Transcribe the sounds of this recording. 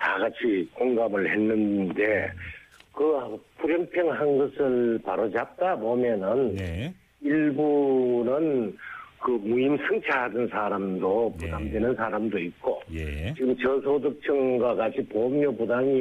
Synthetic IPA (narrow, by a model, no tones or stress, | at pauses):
taɡat͡ɕʰikoŋɡamɯɭhenːɯnde̞ | kɯpuɾjʌŋpʰjʌŋɦanɡʌsʰɯɭpaɾod͡ʑap̚t͈abomjʌnɯn | iɭbunɯnkɯmuimsʰɯŋt͡ɕʰaɦadɯnsʰaɾamdopudamdwe̞nɯnsʰaɾamdoit̚k͈ot͡ɕiɡɯmt͡ɕʌsʰodɯk̚t͡ɕʰɯŋɡwakat͡ɕʰipomɲopudaŋi